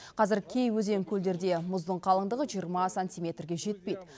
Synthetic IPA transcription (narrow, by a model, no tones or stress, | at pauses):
qʰɑzɪɾkʲʰe̞jwɵze̞ŋkʲʰɵld̪e̞ɾd̪e̞mʊzd̪əɴqʰɑlˠəɴd̪əʁəʒijəɾmɑsanʲt̪ʲijmʲe̞t̪rɡʲe̞ʒe̞t̪̚pe̞jd̪ɪ